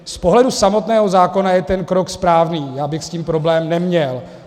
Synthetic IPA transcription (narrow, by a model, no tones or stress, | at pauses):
spo̞ɦlɛdusamo̞t̪nɛːɦo̞zaːko̞najɛt̪ɛnkɾokspɾaːvniːjaːbɪxsciːmpɾo̞blɛːmnɛmɲɛl